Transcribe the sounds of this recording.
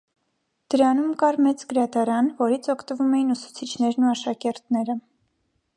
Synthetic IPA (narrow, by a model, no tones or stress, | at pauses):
d̪̥əɾɑnumkɑɾmɛt͡sɡəɾɑt̪ɑɾɑnvɔɾit͡sʰɔkʰt̪əvumɛjinusu̥t͡sʰit͡ʃʰnɛɾnuɑʃɑkɛɾt̪nɛɾə